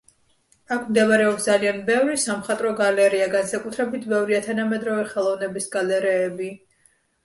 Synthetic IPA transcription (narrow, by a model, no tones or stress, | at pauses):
akʰmd̪ɛvaɾɛɔpsd̪zalianbɛvɾisamχat̪ʼɾɔɡalɛɾiaɡansakʼut̪ʰɾɛbit̪ʰbɛvɾiat̪ʰanamɛd̪ɾɔvɛχɛlˠɔvnɛbisɡalɛɾɛːbi